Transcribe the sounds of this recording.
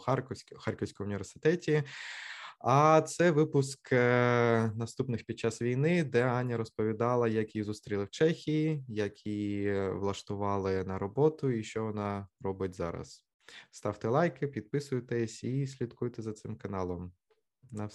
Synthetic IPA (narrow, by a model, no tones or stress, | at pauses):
xrʲxɑrkɔwsʲkɔmʊnʲiʋʲersɪ̥t̪ɛtʲi | ɐt̪sɛʋɪpʊsk | nɐst̪upnɪxpʲid̪̚t͡ʃɑsʋʲijnɪd̪ɛanʲːɐɾɔspɔʋʲid̪ɑlˠɐjɐkʲizust̪ɾʲilˠɪwt͡ʃɛxʲijijɐkʲʰiʋlˠɐʃt̪ʊʋɑlˠɪnɐɾɔbɔt̪ʊiʃt͡ʃɔʋɔnɑrɔbɪtʲzɑ̰ɾɐ̰s | st̪ɑwt̪ɛlˠɑjkɪpʲid̪̚pɪsʊjt̪ɛsʲisʲlʲid̪kujt̪ɛzɐt̪sɪmkɐnɑlˠɔm | nɐ